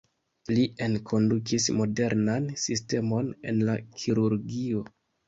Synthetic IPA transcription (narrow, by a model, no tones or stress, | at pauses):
lie̞nkʰo̞ndukismo̞de̞ɾnansiste̞mo̞ne̞̰nlakʰiɾuɾɡio̞